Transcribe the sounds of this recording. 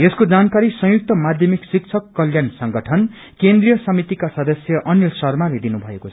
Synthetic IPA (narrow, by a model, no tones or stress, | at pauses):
eskod͡zankaɾisʌ̃juk̚t̪ʌmad̪ʱjʌmiksik̚t͡sʰʌkːʌljansʌŋɡʌʈʰʌn | kend̪rijʌsʌmit̪ikasʌd̪ʌsjʌʔʌnilsʌrmaled̪inubʱʌekot͡sʰ